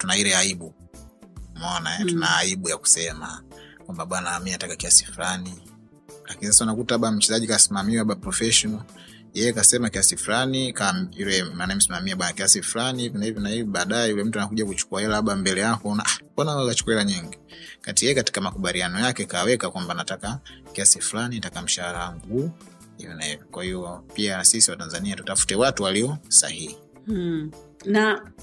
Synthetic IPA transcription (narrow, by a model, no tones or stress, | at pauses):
tunailɛaiɓu | mɔnaɛtunaːiɓujaku̥sɛmakwambaɓwanamiatakakiasi̥fulani | lakinis̬asaunakutaaɓam̩t͡ʃɛzaʄikasimamiwaaɓapɾɔfɛʃɔna | jɛjɛkasɛmakiasifulanikailɛmaːnaim̩simamiaɓwanakiasifulanivnahivɔnaiviɓaːɗajɛjulɛm̩tuanakuʄakut͡ʃu̥kuahɛlaaɓambɛlɛjakɔnaʔakɔnaalat͡ʃu̥kuahɛlaɲiŋɡikatijɛjɛkati̥kamakuɓalianɔjakɛkawɛkakwambanatakakiasifulanitakam̩ʃahaɾaŋɡuː | hivɔnahivɔkwahiɔpiasisiwatanzaniatutafu̥tɛwatuwaliɔsa̰hihi | na